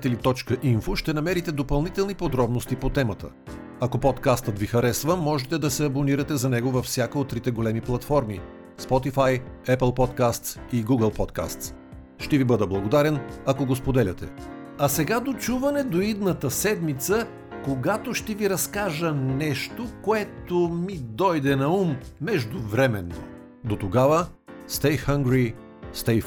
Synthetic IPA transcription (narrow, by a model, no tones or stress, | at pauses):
t̪ɛlit̪ɔt͡ʃkəʔinfoʃt̪ɛnɐmɛɾit̪ɛd̪opɐlˠnit̪ɛlˠnipod̪ɾɔbnost̪ipot̪ɛmɐt̪ə̰ | ɐkopɔt̪kast̪ət̪vixɐɾɛsvəmɔʒɛt̪ɛd̪ɐsɛɐboniɾɐt̪ɛzɐnɛɡovɐfsʲjakəot̪ːɾit̪ɛɡolɛmiplˠɐt̪fɔɾmi | spɔt̪ifajɛplˠpɔt̪kast̪siɡuɡəlˠpɔt̪ka̰st̪s | ʃt̪ɛvibɤd̪əblˠɐɡod̪aɾɛnɐkoɡospod̪ɛlʲɐt̪ɛ̰ | ɐsɛɡad̪ot͡ʃuvɐnɛd̪oid̪nət̪əsɛd̪mit̪sə | koɡat̪oʃt̪ɛviɾɐskaʒənɛʃt̪okoɛt̪omid̪ɔjd̪ɛnɐumːɛʒd̪ʊvɾɛmɛnːo̰ | d̪ot̪oɡavə | st̪ɛjxɐŋɡɾi | st̪ɛj